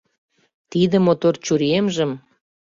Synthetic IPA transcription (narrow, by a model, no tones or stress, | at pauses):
t̪id̪ə̆mot̪ort͡ɕuɾemʒə̆m